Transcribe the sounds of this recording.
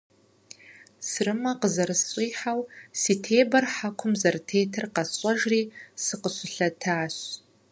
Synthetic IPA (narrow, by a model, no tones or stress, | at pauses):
sɨrɨmɐqəzɐɾɨsɕʼiːħawsiːtʰeːbɐrħakʷʰʊmzɐrtʰeːtʰɨrqɐsɕʼɐʒriːsɨqəɕʷʊɬɐtʰaːɕ